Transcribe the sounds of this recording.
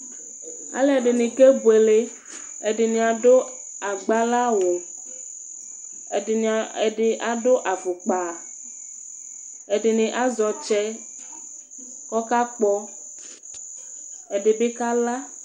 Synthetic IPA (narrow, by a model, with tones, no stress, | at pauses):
a̰˨le˦˨e˨ɖe˨nĩ˨ke˦bu˨e˨le˦ | e˨ɖe˨nĩ˨a˨ɖo˦ | a˨ɡ͡ba˦la˦wo˨ | e˨e˨n˨e˨ɖe˨ʔa˨ɖo˦ʔa˨fo˨k͡pa˨ | e˨ɖe˨nẽ˨ʔa˦zɔ˨t͡ʃɛ˦ | kɔ˦ka˦k͡pɔ˦ | e˨ɖe˨be˦ka˦la˦